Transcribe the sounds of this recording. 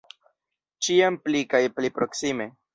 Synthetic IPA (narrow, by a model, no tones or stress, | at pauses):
t͡ʃiamplikajplipɾo̞ksime̞